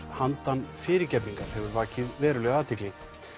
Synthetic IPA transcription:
hant̪anfɪːɾɪɾcɛpniŋkaɾ̥hɛvʏɾvaːcɪðvɛːɾʏlœɣaːðt̪ʰɪkliŋ

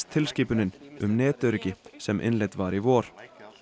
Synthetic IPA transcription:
t̪ʰɪlsciːpʏnɪnʏmnɛːt̪œɾʏcɪsɛmʔɪ̰nlɛt̪vaɾivɔːɾ̥

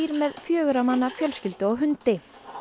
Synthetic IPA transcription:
iːɾmɛðfjœːɣʏɾamanːafjœlscʏlt̪ʏɔɣɦʏnt̪ɪ

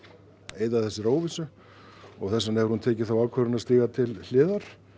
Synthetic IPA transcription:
eːjðaðθɛsːɪɾoːwvɪsʏ | ɔɣθɛsːaneɛvɾhunt̪ʰɛːcɪθawalkʰvœɾɪnast̪iːɣat̪ʰɪll̥ɪːðaɾ̥

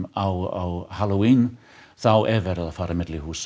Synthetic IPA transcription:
awa̰whalˠowin | ð̥awʔɛvɛɾəðˠafaɾəmɛdlˠihuːs

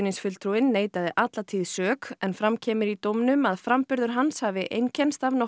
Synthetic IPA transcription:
ninsfʏlt̪ʰɾuɪnːeːjt̪aðɪʔat̪lat̪ʰiːðsœːkɛnfɾamcʰɛːmɪɾit̪owmnʏmaðfɾampʏɾðʏɾ̥ɦanshavɪʔejncʰɛnst̪avnɔ

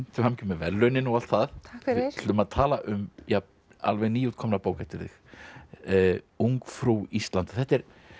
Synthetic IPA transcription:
n̥t̪ʏhamcʏmɛvɛlːœnɪnual̥t̪θaðʰ | ʏmaðt̪ʰaːlaʔʏmja | a̰lvɛɣniːuːt̪̚kʰɔmnapoːwkɛft̪ɪɾðɪ̰x | uŋkfɾuːist̪lant̪ḁθɛht̪ɛɾ̥

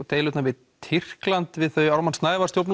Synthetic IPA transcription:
t̪eːjlʏt̪navɪð | t̪ʰɪr̥klant̪vɪðθœɥaɾmanst̪naːjvaɾ̥st̪jowpn

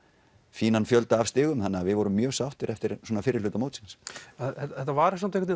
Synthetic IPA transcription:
fiːnanfjœlt̪aːvst̪ɪːɣʏmθanːavɪðvɔɾʏmːjœːɣsawht̪ɪɾʔɛft̪ɪɾswɔːnafɪːɾɪɾlʏːt̪amoːwt̪sɪnsaɛɛt̪ːavaɾɪsamt̪ekvɛt̪n

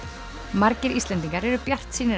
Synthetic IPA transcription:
maɾcɪɾislɛnt̪iŋkaɾɛɾʏpjar̥t̪siːnɪ

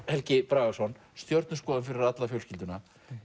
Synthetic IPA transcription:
hɛlcɪpɾaːɣasɔn | st̪jɔɾt̪nʏskɔːðʏnfɪɾɪɾat̪lafjœlscɪlt̪ʏna

